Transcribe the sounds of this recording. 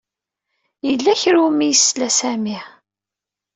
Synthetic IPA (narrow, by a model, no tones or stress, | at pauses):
jəlːæçɾumijəsːlæsæmiʕ